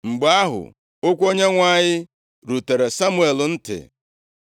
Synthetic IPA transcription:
ŋ͡m̩˨ɡ͡ba˦ɦʊ̰˨ | o˦kʷo˦ɲe˦ŋʷa˦ɲɪ˦ | ɾu˨te˨ɾe˨sa˦mu˦˨e˨ln̩˦tɪ̰˨

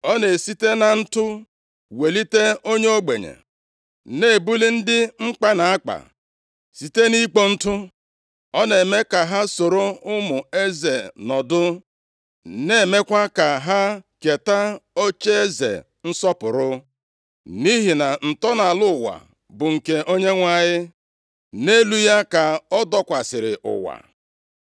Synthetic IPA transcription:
ɔ˦ne˨si˦te˦na˨n̩˦tʊ˦ | we˨li˦te˦o˦ɲe˦o˦ɡ͡be˨ɲḛ˨ | ne˦˨bu˦li˦n̩˦dɪ˦ŋ͡m̩˦k͡pa˦na˨a˦k͡pa̰˨ | si˨te˦ni˦k͡po˦n̩˦tʊ˦ | ɔ˦ne˨me˦ka˨ɦa˦so˨ɾo˦ʊ˦mʊ˨e˦ze˨nɔ˨dʊ˦ | ne˦˨me˦kʷa˦ka˨ɦa˦ke˨ta˦o˦t͡ʃe˦e˦zḛ˨ | n̩˦sɔ˦pʊ˨ɾʊ˦ | ni˦ɦi˨na˨n̩˨tɔ˦na˨lʊ˦˨wa̰˨ | bʊ˨ŋ̩˨ke˦ʔo˦ɲe˦ŋʷa˨ɲɪ˦ | ne˦lu˦ja˦ka˨ɔ˦dɔ˦kʷa˨sɪ˨ɾɪ˨ʔʊ̰˨wa̰˨

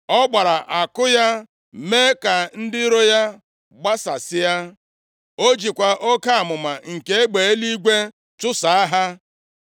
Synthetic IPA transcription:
ɔ˦ɡ͡ba˨ɾa˨ʔa˨kʊ˦ja˦ | me˦ka˨n̩˦dɪ˦ɾo˦ja˦ | ɡ͡ba˦sa̰˨sɪ˦ja˦ | o˦d͡ʒi˨kʷa˨ʔo˦ka˦a˨mʊ˨ma˨ŋ̩˨ke˦e˦ɡ͡be˨e˦li˦ɡʷe˦ | t͡ʃʊ˦sa˨a˦ɦa˦

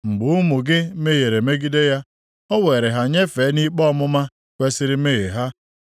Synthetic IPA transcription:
ŋ͡m̩˨ɡ͡bʊ˨u˦mʊ˨ɡɪ˦me˦je˨ɾe˨me˦ɡi˦de˦ja˦ | ɔ˦we˨ɾe˨ɦa˨ɲe˦fe˨˦ni˦k͡pɔ˦mʊ˦ma˦ | kʷe˦sɪ˦ɾɪ˦me˦ɣe˨ɦa˦

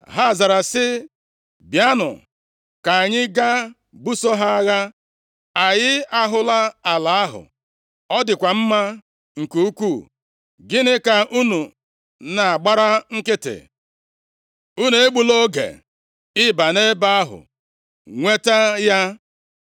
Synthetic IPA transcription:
ɦa˦˨za˨ɾa˨sɪ˦ | bja˦nʊ̰˨ | ka˨a˨ɲɪ˦ɡa˦ | bu˦so˦ɦa˦a˦ɣa˦ | a˨jɪ˦a˦ɦʊ˦la˦a˨la˨a˦ɦʊ̰˨ | ɔ˦dɪ˨kʷa˨m̩˦ma˦ | ŋ̩˨ku˦u˦kʷu˦˨ | ɡɪ˦nɪ˦ka˨ʔu˦nu˨ | na˨a˨ɡ͡ba˦ɾa˦ŋ̩˦kɪ˦tɪ̰˨ | u˦ne˨e˦ɡ͡bu˨lo˦ɡḛ˨ | ɪ˦ba˨ne˦ba˦a˦ɦʊ̰˨ | ŋʷe˦ta˦ja˦

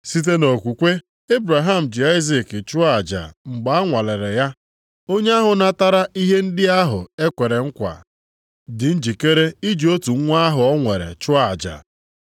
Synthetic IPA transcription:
si˦t̬e˦no˨kʷu˨kʷe˦ | e˦bɾa˨ɦa˦m̩˨d͡ʒɪ˨a˦ɪ˦zi˨kt͡ʃʊ˦a˨d͡ʒa̰˨ŋ͡m̩˨ɡ͡ba˨a˦ŋʷa˨le˨ɾe˨ja˦ | o˦ɲe˦a˦ɦʊ˨na˦ta˦ɾa˦i˦ɦe˦n̩˦dɪ˦a˦ɦʊ̰˨e˦kʷe˨ɾe˨ŋ̩˦kʷa̰˨ | dɪ˨n̩˦d͡ʒi˨ke˦ɾe˦i˦d͡ʒi˨o˦tu˨ŋ̩˦ŋʷa˦a˦ɦʊ˨ɔ˦ŋʷe˨ɾḛ˨t͡ʃʊ˦a˨d͡ʒa̰˨

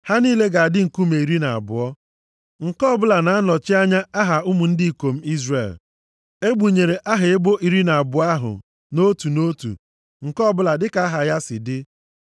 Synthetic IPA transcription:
ha˦niː˦le˦ɡa˨a˨dɪ˦ŋ̩˨ku˦me˨i˨ɾi˦na˨a̰˨bʊ̰˨ɔ˦ | ŋ̩˨kɔ˦bʊ˦la˨na˨a˦nɔ˨t͡ʃɪ˦a˦ɲa˦a˦ɦa˨ʊ˦mu˨n̩˦dɪ˦i˨ko˨m̩˦i˦zrḛ˨l | e˦ɡ͡bu˨ɲe˨ɾe˨ʔa˦ɦɪ˨ɪ˦bo˦ʔi˨ɾi˦na˨a˨bʊ˨a˦ɦʊ̰˨ | no˦tu˨no˦tṵ˨ | ŋ̩˨kɔ˦˨bʊ˦la˨dɪ˦ka˨˦a˦ɦa˨ja˦sɪ̰˨dɪ˦

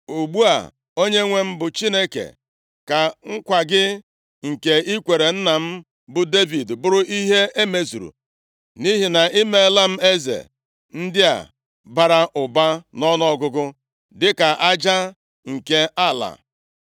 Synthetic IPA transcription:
u˨ɡ͡bu˦a̰˨ | o˦ɲe˦ŋʷe˦m̩˦bʊ˨t͡ʃi˦ne˦kḛ˨ | ka˨ŋ̩˦kʷa˨ɡɪ˦ | ŋ̩˨ke˨i˦kʷe˨ɾe˨n̩˦na˨m̩˦ | bʊ˨de˦vi˨dbʊ˦ɾʊ˦ʔi˦ɦe˦e˦me˦zṵ˨ɾṵ˨ | ni˦ɦi˨na˨ʔɪ˦me˦la˦m̩˦e˦zḛ˨ | n̩˦dɪ˦a̰˨ | ba˨ɾa˦ʔʊ˨ba˦nɔ˦nɔ˦ɡʊ˦ɡʊ˦ | dɪ˦ka˨ʔa˦d͡ʒa˦ | ŋ̩˨ke˦a˦˨la̰˨

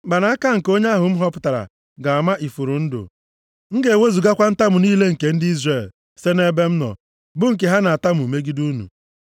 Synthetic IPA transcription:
ba˨na˨˦a˦ka˦ŋ̩˨ko˦ɲe˦a˦ɦʊ˨m̩˦ɦɔ˦pʊ̥˨ta˨ɾa̰˨ | ɡa˨a˨ma˦ʔi˨fu˨ɾʊ˨n̩˦dʊ̰˨ | ŋ̩˦ɡe˨e˨we˦zu˨ɡa˦kʷa˦n̩˦ta˦mʊ˨niː˦le˦ŋ̩˨ke˨n̩˦dɪ˦i˦zre˦˨l | se˦ne˦be˦m̩˦nɔ̰˨ | bʊ˦ŋ̩˨ke˨ɦa˦na˨a˨ta˦mu˨me˦ɡi˦du˦nṵ˨

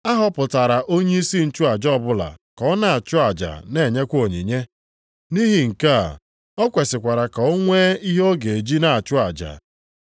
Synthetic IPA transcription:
a˦ɦɔ˦pʊ˨ta˨ɾa˨ʔo˦ɲe˦i˦si˦n̩˨t͡ʃʊ˦a˨d͡ʒɔ˦˨bʊ˦la̰˨kɔ˦na˦˨a˨t͡ʃʊ˦a˨d͡ʒa̰˨ne˦˨ɲe˦kʷo˨ɲḭ˨ɲe˦ | ni˦ɦi˨ŋ̩˨ka̰˦˨ | ɔ˦kʷe˨sɪ˨kʷa˨ɾa˨ka˨o˦ŋʷe˦i˦ɦo˦ɡe˨e˨d͡ʒi˦na˦˨a˨t͡ʃʊ˦a˨d͡ʒa̰˨

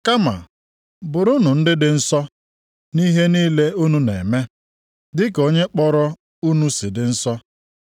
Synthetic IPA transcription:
ka˦ma̰˨ | bʊ˨ɾʊ˦nʊ˨n̩˦dɪ˦dɪ˨n̩˦sɔ˦ | ni˦ɦe˦niː˦le˦u˦nu˦nḛ˨me˦ | dɪ˦ko˦ɲe˦k͡pɔ˦ɾɔ˦ | u˦nu˦sɪ˨dɪ˨n̩˦sɔ˦

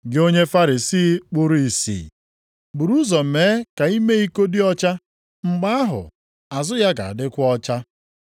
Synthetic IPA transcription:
ɡɪ˦o˦ɲe˦fa˦ɾi˨siː˦k͡pʊ˦ɾu˦i˨sḭː˨ | bu˨ɾu˦zɔ˨m̩˨meː˨˦ka˨i˦me˦i˦ko˦dɪ˦ɔ˦t͡ʃa˦ | ŋ͡m̩˨ɡ͡ba˦a˦ɦʊ̰˨ | a˨zʊ˦ja˦ɡa̰˨a̰˨dɪ˦kʷʊ˦ɔ˦t͡ʃa˦

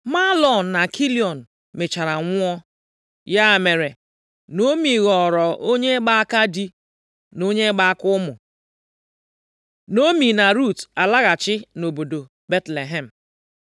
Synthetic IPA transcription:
ma˦lɔ˨n̩˨na˨kʰi˦li˨ɔ˨n̩˨ | me˨t͡ʃa˨ɾa˨ŋʷʊ˦ɔ˦ | ja˦˨me˨ɾe˨ | no˦mi˨ɣɔ˨ɾɔ˨ʔo˦ɲe˦ɡ͡ba˦a˦ka˦di˦ | no˦ɲe˦ɡ͡ba˦a˦kʊ˦ʊ˦mʊ˨ | no˦mi˨na˨ɾu˦˨ta˨la˦ɣa˨t͡ʃɪ˦no˨bo˨do˨ | be˦tle˨ɦe˦˨m̩˨

